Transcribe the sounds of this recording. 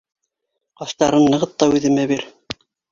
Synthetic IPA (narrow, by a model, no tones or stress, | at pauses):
qɑʃt̪ɑɾɤnːɤ̆ʁɤt̪ːɑʉðɘ̆mæβiɾ